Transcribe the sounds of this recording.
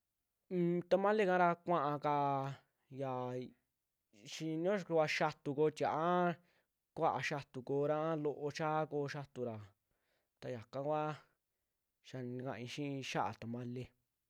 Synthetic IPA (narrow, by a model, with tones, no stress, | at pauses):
t̪a˧mã˦le˦kã˦ɾa˧kʷã˦ʔã˧ka˧ | ja˨ | ʃĩ˧nõ˦˧kʷa˧ʃa˧t̪u˧ko˧t̪ʲa˨ʔa˦ | kʷa˦ʔa˧ʃa˧t̪u˨koː˧˦˧ɾã˦a˦lo˧ʔo˧t͡ʃa˦koː˧ʃa˧t̪u˧ɾa˨ | t̪a˧ja˨kã˦kʷa˦ | ʃa˧nĩ˧kã̰˧ʔĩ˧ʃĩ˦˧ʃa˦ʔa̰˨t̪a˨mã˦le˧